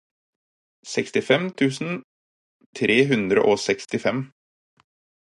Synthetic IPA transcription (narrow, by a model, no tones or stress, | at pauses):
sɛkst̪ɪfɛmt̪ʰʉːsn̩ | t̪ʰɾeːɦʉnd̪ɾə̰ʔoːsɛkst̪ɪfɛm